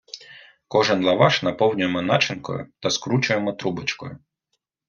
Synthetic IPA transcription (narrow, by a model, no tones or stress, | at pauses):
kɔʒɛnlˠɐʋaʃnɐpɔwnʲʊjemɔnat͡ʃɪnkɔ̰jʊ̰t̪ɐskɾut͡ʃʊjemɔt̪ɾubɐt͡ʃkɔ̰jʊ